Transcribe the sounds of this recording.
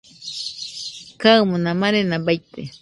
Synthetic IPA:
kawmʊnamanenabajt̪e

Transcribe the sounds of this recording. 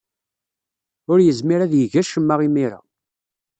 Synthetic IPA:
ʊɾjəzmiɾæðjəʝæʃəmːaʁimiɾa̰

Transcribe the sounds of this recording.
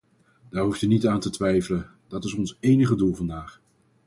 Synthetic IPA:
d̥aːɹɦuftynitaːntətʋɛjvələn | d̥ɑtɪsɔnsejnəχədulˠvɑndaːχ

